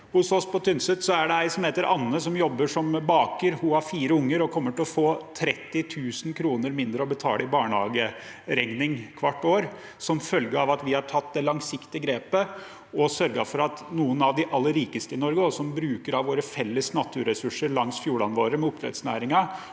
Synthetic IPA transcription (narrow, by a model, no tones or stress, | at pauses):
hʊsɔspɔt̪ʰʏnsət̪sɔæɖɛæɪsɔmheːt̪əɾʔɑnːəsɔmjɔbːəʂɔmbɑːkəɾhʊhɑɾfiːɾəʊŋːəɾɔkʰɔmːəʈɪlɔfoːt̪ʰɾɛt̪ːɪt̪ʰʉːsənkʰɾuːnəɾmɪnd̪ɾəɔbət̪ʰɑ̰ːləɪbɑːɳhɑ̰ːɡəɾɛŋnɪŋkʰʋɑʈːoːɾ | sɔmfœlɡəɑʋɑt̪ʋɪhɑʈʰɑt̪ːd̪ɛlɑŋsɪkt̪ɪəɡɾeːpə | ɔsœɾɡɑ̰fɔɾɑt̪nuːənɑʋd̪ɪʔɑlːəɾiːkəst̪əɪnɔɾɡəɔsɔmbɾʉːkəɾɑʋʋoːɾəfɛlːəsnɑt̪ʰːʉɾɛsʉʂəɾɭɑŋsfjuːɭɑnʋoːɾəmɛʊp̚t̪ʰɾɛ̰t̪snæ̰ːɾɪŋɑ